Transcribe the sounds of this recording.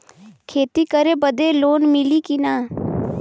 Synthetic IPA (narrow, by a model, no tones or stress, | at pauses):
kʰeːt̪ikəɾebəd̪eloːnmɪlikinaː